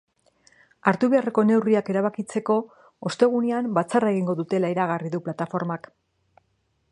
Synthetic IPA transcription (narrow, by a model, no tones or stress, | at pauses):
aɾt̪uβe̞areko̞ne̞wriake̞ɾaβ̞akit͡se̞ko̞ | ost̪e̞ɣ̞uneambat͡sarae̞ɣiŋɡo̞ðut̪e̞laeɾaɣ̞ariðuplat̪afo̞ɾmak